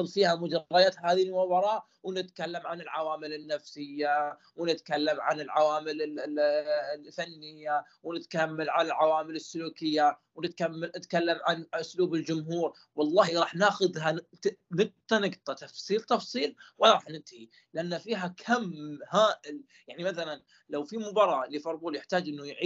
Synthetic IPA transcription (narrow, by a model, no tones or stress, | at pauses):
ɨlfiːhamʊd͡ʒɑˤːɑjaːt̪haːðiʊbɑɾˤɑːʔ | wnɪt̪kalːamʕanɪlʕawaːmɪlɪnːafsɪjːa | wnɪt̪kalːamʕa̰nɪlʕawaːmɪlɪ | θanːɪjːa | wnɪt̪kamːalʕanalʕawaːmɪlɪsːʊluːkɪjːawnɪt̪kamːaɪt̪kalːamʕanʔʊsluːbɪld͡ʒʊmɦuːɾ | wɑlˤːɑːhiɾˤɑːħnaːxʊðha | nɪɡ̚t̪ˤɑnɪɡt̪ˤɑt̪ɑfsˤiːlt̪ɑfsˤiːlwɪɾˤɑːħnɪnt̪ahi | lɪʔanːafiːɦakʰamhaːʔɪl | jaʕnimaθalan | lawfimʊbɑɾˤɑːlifɑɾˤbuːljɪħt̪aːd͡ʒʔɪnːujʕi